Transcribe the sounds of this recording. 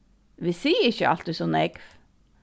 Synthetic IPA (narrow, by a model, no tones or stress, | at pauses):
ʋisiːɪçəɑ̰l̥t̪ɪsɔnɛɡf